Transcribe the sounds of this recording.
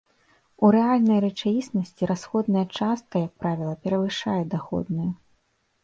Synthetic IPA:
uɾɛalʲnɐjrɛt͡ʂavʲisnɐsʲt͡sʲiɾasxɔd̪nɐjɐt͡ʂast̪̚kɐjɐk̚pɾavʲilˠɐpʲɛɾɐvɨʂa̰jɛd̪axɔ̰d̪nɨjɛ

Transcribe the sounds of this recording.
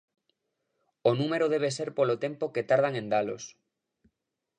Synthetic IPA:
onũmeɾoðeβ̞eseɾpolot̪empoket̪aɾð̞aŋẽnd̪alo̰s

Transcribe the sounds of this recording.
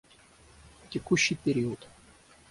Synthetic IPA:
tʲɪkuɕːɨjpʲɪɾʲiʊt̪

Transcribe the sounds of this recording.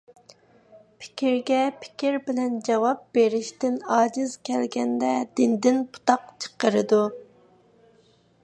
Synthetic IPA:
pʰɪ̥kʲʰiɾɡʲɛpʰɪ̥kʲʰiɾbɪlɛnd͡ʒɑwɑp̚b̥eɾɪʃt̪ɪnɑːd͡ʒɪz̥kʲʰɛlɡʲɛnd̪ɛd̪ɪnd̪ɪnpʰu̥t̪ɑqt͡ʃʰə̥qəɾɨd̪u

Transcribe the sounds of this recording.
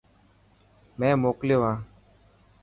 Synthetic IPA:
mɛ̃ːmoːkljoːʋãː

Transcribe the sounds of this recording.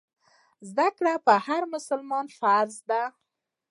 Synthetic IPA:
zd̪akɽapəhaɾmʊsʊlmɑnfaɾzd̪a

